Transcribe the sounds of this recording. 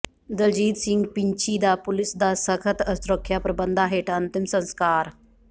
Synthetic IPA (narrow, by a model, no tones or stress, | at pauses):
d̪əld͡ʒiːd̪sɪ̃ŋɡpɪɲt͡ʃiːd̪aːpʊlɪsd̪aːsəkʰət̪əsɾəkʰːjaːpɾəbənd̪aːɦeːʈɐnt̪ɪmsə̃nskaːɾ